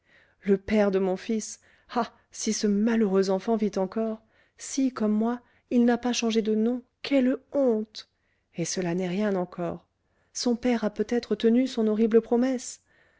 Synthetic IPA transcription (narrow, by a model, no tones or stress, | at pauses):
ləpɛʁd̪əmɔ̃fis | a | sisəmaləʁøzɑ̃fɑ̃vit̪ɑ̃kɔʁ | sikɔmːwa | ilnapaʃɑ̃ʒed̪ənɔ̃ | kʰʲɛlɔ̃t̪ | esəlanɛʁjɛ̃nɑ̃kʰɔʁ | sɔ̃pɛʁapøt̪ɛt̪χət̪ənysɔ̃nɔʁibləpχɔmɛs